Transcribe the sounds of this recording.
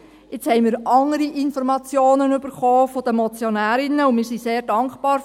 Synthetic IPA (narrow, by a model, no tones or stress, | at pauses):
ɪt͡shɛɪmɪːɾʔɑŋəɾiʔɪnfɔɾmɑt͡sjoːnənyb̥əɾχɔːfod̥̪əmɔt͡sjonæːɾɪnəʊnmɪːɾsiseːɾdɑŋkχpɑːɾ